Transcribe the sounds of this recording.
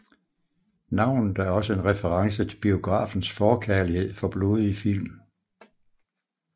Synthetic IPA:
nɑ̈ʊ̰nð̩ˠæɐɒ̽səe̝nʁɛfəʁɑ̈ŋsət͡sʰe̝lb̥io̝ɡ̥ʁɑ̰̈ːfn̩sfɒːkʰæɐlihe̝ð̞̰ˠfɒ̽b̥lo̝ːð̞ˠifil̰m

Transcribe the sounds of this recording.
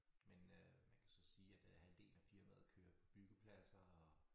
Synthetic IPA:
menømænkʰæsɒ̽siːæd̥hæld̥e̝̰ːlæfiɐmæð̩ˠkʰø̰ːɐpʰɒ̽b̥yɡ̥əpʰlæsɐɒ

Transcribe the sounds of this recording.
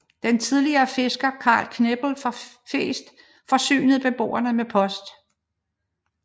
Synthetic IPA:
d̥ent͡sʰið̞ˠliɐːfe̝sɡ̥ɐkʰɑ̰̈ːlkʰneb̥l̩fɑ | fḛːsd̥ | fɒ̽sy̰ːnð̩ˠb̥e̝b̥o̝̰ːɐnəmepʰɒ̽sd̥

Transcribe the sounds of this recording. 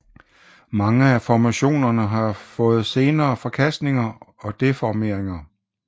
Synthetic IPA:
mɑ̈ŋəæfɒmæɕo̝̰ːnɐnəɦɑ̈fɔ̽ːð̞̩ˠse̝ːnɐːfɒ̽kʰæsd̥ne̝ŋɐɒ̽d̥e̝fɒme̝ɐ̰eŋɐ

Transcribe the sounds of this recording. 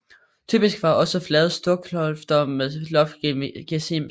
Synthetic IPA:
t͡sʰy̰ːb̥isɡ̥ʋɑ̈ʔɒ̽səflɛð̩ˠsd̥ɔɐɡ̥ʰlɒlfd̥ɐmeðˠlɒ̽fmɡ̥esim

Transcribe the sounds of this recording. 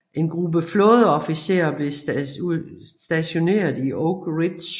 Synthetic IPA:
ʔe̝nɡ̥ʁub̥əfloːð̞ˠəɒfise̝̰ːɐb̥le̝usd̥æɕo̝ne̝̰ːɐðˠiʔoɡ̥ʁid̥s

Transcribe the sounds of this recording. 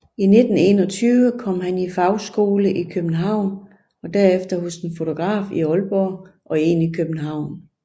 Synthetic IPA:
ine̝d̥n̩e̝ːnɒ̽t͡sʰyːʋəkʰɒ̽m̰ɦænifɑ̈ʊsɡ̥o̝ːləʔikʰøb̥n̩ɦɑ̈ʊ̰n | ɒ̽d̥æɐefd̥ɐɦɔsd̥enfo̝t͡sʰo̝ɡ̥ʁɑ̰̈ːfiɒ̽lb̥ɒʔɒ̽e̝ːnikʰøb̥n̩ɦɑ̈ʊ̰n

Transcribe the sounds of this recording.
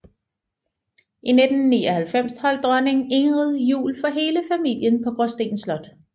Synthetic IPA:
ʔined̥n̩ːḭːɒhælfem̰shɒ̽l̰d̥̚d̥ʁɶne̝ŋe̝ŋʁəð̩ˠjṵːlfɒ̽ɦe̝ːləfæmil̰jənpʰɒ̽ɡ̥ʁɔsd̥e̝̰ːnslɒ̽d̥

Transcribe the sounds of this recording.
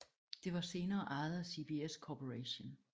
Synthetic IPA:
d̥e̝ʋɑ̈se̝ːnɐːʔɑ̈ɪð̩ˠɐsib̥ieskʰɒpʰoʁɛɕon

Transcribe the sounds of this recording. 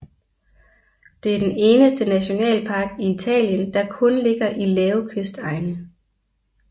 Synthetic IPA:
d̥e̝æɐd̥ene̝ːnəsd̥ənæɕo̝nɛ̰ːlpʰɑ̈ːɡ̥iit͡sʰɛ̰ːljənd̥ɑ̈kʰɔ̽nle̝ɡ̥ɐʔilɛːʊkʰøsd̥ɑ̈ɪnə

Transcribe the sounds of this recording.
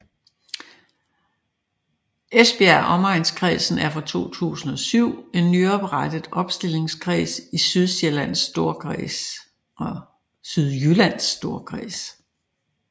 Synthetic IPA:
esb̥e̝æɐʔɒ̽mɑ̈ɪnskʰʁḭːsn̩æɐfɑ̈t͡sʰo̝̰ːt͡sʰṵːsn̩ɒ̽syʊ̰e̝nːyɒb̥ʁad̥əð̩ˠɒ̽b̥sd̥e̝le̝ŋskʰʁḭːsisyðˠselæn̰sd̥o̝ɐ̰is | ɒ | syð̞ˠjylæn̰sːd̥o̝ɐkʰʁḭːs

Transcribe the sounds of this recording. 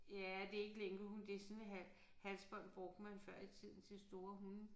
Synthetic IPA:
jæd̥e̝e̝ɡ̥əleŋɦund̥e̝sɔnɦæ | hælsb̥ɒ̽n̰b̥ʁɔ̽ɡ̥̚d̥mænfɶɐ̰it͡sʰið̰ˠn̩t͡sʰe̝sd̥o̝ːɐɦun

